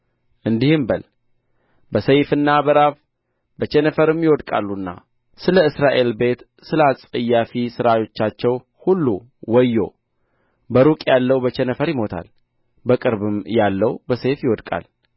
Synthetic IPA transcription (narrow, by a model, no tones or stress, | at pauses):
ʔɨnd̪ihɨmbəl | bəsəjfɨnːabəɾaβ | bət͡ʃɛnəfəɾɨmjɪwɔd̪kʼa̰lːunːa̰ | sɨləɨsɾaʔe̞lbe̞t̪ | sɨləasʼəjːafisɨɾajo̞t͡ʃːat͡ʃːɛw | hulːu | wɔjːo̞ | bəɾukʼjalːəwbət͡ʃɛnəfəɾjɪmo̞t̪ʰa̰l | bəkʼɨɾbɨmjalːəwbəsejfjɪwɔd̪kʼa̰l